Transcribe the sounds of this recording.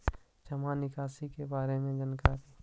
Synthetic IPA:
d͡ʒəmanɪkaːsikebaːɾemẽd͡ʒənkaɾi

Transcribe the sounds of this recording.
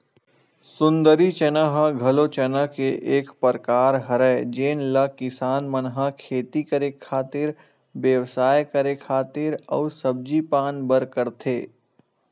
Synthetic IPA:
sʊ̃nd̪əɾit͡ʃɐnaɦaɡʱɐlot͡ʃɐnəkeʔeːkpəɾkaːɾɦɐɾɛːd͡ʒeːnlɐkɪsaːnmɐnɦakʰeːt̪ikəɾekʰaːt̪ɪɾ | ʋjəʋsaːjkəɾekʰaːt̪ɪɾɔːɾsɐb̚d͡ʒipaːnbəɾkəɾt̪ʰeː

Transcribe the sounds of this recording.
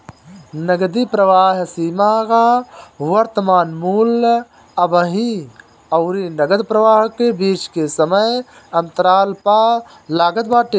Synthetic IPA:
nəɡd̪ipɾəʋaːɦsiːmaɣaʋəɾt̪əmaːnmuːl | əbəɦĩ | ɐʊɾinəɡəd̪pɾəʋaːɦkebiːt͡ʃkesəməj | ɐnt̪əɾaːlpa | laːɡəd̪baːʈe

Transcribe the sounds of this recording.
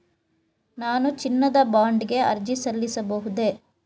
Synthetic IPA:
naːnut͡ʃinːɐd̪ɐbaːɳɖiɡe̞ɐ̰ɾd͡ʒisɐlːisɐbɐɦud̪e̞

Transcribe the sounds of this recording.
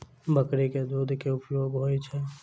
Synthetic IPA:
bəkɾeked̪uːd̪ʱkeʊpjoːɡɦoːet͡ʃʰɛ

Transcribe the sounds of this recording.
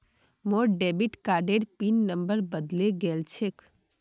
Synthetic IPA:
moɾɖebiʈkaɾɖeɾpinːəmbəɾbəd̪leɡɛlt͡ʃʰek

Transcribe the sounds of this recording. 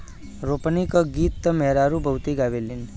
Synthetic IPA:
ɾopnikəɡit̪ːəmɛɦɾaɾubʱəwt̪iɡaʋelin

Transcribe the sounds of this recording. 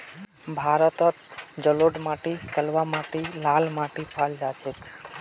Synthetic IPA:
bʱaɾət̪ət̪d͡ʒəloɖmaʈit̪əlʋamaʈilalmaʈipʰald͡ʒat͡ʃʰet̪

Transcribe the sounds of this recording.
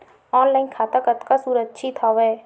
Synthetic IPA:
ɔːnlaːɪnkʰaːt̪akət̪kasuːɾətːt͡ʃʰit̪ʰaʋɛː

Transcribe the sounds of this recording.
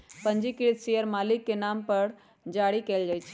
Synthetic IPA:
pəɲd͡ʒikiɾt̪sijəɾmaːlɪkːenaːmpəɽ | d͡ʒaːɽikeːld͡ʒaːjt͡ʃʰi̥

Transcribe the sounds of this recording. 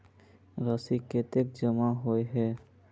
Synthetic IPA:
ɾasiket̪ek̚d͡ʒəmaɦoeɦɛː

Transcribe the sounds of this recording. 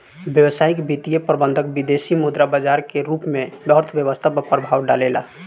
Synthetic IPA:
bjəwsaikbit̪ijepɾəbənd̪ʱək̚bid̪esimud̪ɾabad͡ʒaɾkeɾupmẽɖəɾt̪ʰbjəʋəst̪ʰapəpəɾbʱaʋɖalela̰

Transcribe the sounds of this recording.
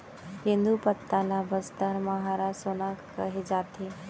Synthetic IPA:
hĩnd̪upət̪ːalabəst̪aɾmaɦaɾasoːnakː | əɦed͡ʒaːt̪ʰe

